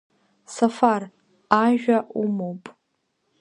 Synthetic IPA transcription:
safar | aʒᶣaʔumowpʼ

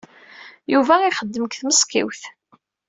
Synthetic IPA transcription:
juvæiχəd̪ːəməkθməskḭwθ

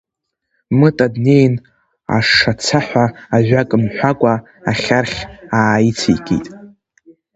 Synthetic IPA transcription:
mɨtʼadnejn | a̰ʂat͡sʰaħʷᶣaːʒʷᶣakʼɨmħᶣʷakʷʼa | aχʲarχʲaːit͡sʰḭjkʲʼḭtʼ

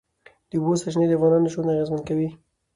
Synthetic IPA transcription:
d̪̥əbosaʃned̪əavɣɑnɑnəʃonaɣezmankawi

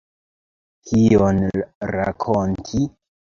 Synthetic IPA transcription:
kʰionɾa̰kʰontʰi

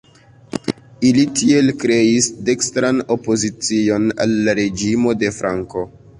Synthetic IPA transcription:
ilitʰie̞lkɾe̞isde̞kstɾano̞po̞zit͡sio̞na̰lːaɾe̞d͡ʒimo̞de̞fɾʔaŋko̞

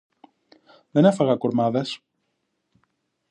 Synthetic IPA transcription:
ðene̞fɐɣɐkoɾmɐðes

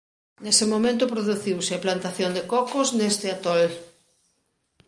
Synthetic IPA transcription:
nesɪmomẽnt̪̬ʊpɾoðuθiwsɪaplant̪aθjond̪ekɔkoznest̪ɪat̪ɔl

